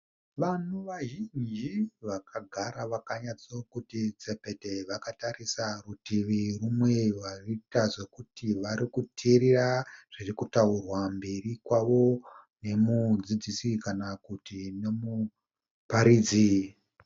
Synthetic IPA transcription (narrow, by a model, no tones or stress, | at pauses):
ʋan̤uʋaʒind͡ʒiʋakʰaɡʱaɾaʋakaɲat͡so̞kutid͡ze̞pe̞te̞ʋakatarisarutiʋirumwe̞ʋaritaʐe̞kutiʋaɾikutʰiriraʐ̥irikutaurwambe̞rikwaʋo̞ne̞mud͡zid͡zisikanakutine̞mu | paɾiːd͡zi